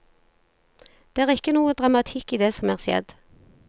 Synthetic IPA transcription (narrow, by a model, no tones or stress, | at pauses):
d̪̥eːæːʁɪkːənuːəd̪ʁɑmɑt̪ʰɪkːiːd̪eːsɔmæːʁsjɛ̰d̪